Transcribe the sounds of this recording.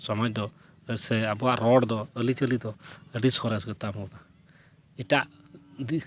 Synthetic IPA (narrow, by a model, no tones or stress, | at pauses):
sɔmɔt͡ʃ̚d̪ɔ | sɛabɔaʔɾɔɽd̪ɔəlit͡ʃəlid̪ɔəɖisɔɾɛsɡɔt̪amɔla | iʈaʔ | d̪i